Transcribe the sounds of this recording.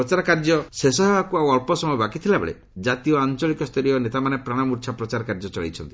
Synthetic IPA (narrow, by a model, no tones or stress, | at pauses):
ɾɔt͡ʃaɾɔkaɾd͡ʒɔsesɔɦebakuawɔɾpɔsɔmɔjɔbakit̪ʰilabḛɭḛ | d͡ʒat̪iɔant͡ʃɔlikɔst̪ʰɔɾiɔnet̪amanepɾaɽ̃ɔmuɾt͡ʃʰapɾɔt͡ʃaɾɔkaɾd͡ʒɔt͡ʃɔɭḭt͡ʃʰɔnt̪i̥